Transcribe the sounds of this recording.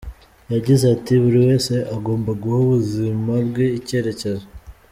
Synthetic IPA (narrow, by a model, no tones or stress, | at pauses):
jaɟizatiβuɾiwe̞ːse̞ʔaɡo̞ːmbaɡuhuβuzimaɾɡweice̞ːɾe̞ceze